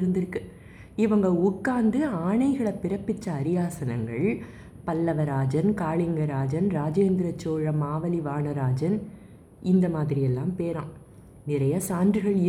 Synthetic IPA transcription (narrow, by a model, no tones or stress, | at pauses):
ɾɯnd̪ɪɾɯkːɯ | ɪʋɐŋɡɐʊkːaːnd̪ɯaːɳɐɪɣɐɭɐpːɪɾɐpːɪt͡ʃːɐːɾɪjaːsɐnɐŋɡɐɭ | pɐlːɐʋɐɾaːd͡ʒɐnkaːɭɪŋɡɐɾaːd͡ʒɐnɾaːd͡ʒeːnd̪ɪɾɐt͡ʃːoːɻɐmaːʋɐliʋaːɳɐɾaːd͡ʒɐn | ɪnd̪ɐmaːðɪɾɪjɛlːaːmpeːɾãːm | nɪɾɐjɐsaːndrɯɣɐɭɪ